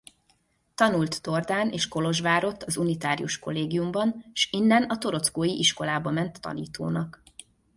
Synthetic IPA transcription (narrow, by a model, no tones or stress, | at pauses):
t̪ɒnult̪ːo̞rd̪aːneːʃko̞lo̞ʒʋaːɾo̞t̪ːɒzunit̪aːɾijuʃko̞̰lːeːɡijumbɒnʃinːɛnɒt̪o̞ɾo̞t̪skoːjiʔiʃko̞laːbɒmɛnt̪ʰːɒ̰nḭːt̪o̰ːnɒk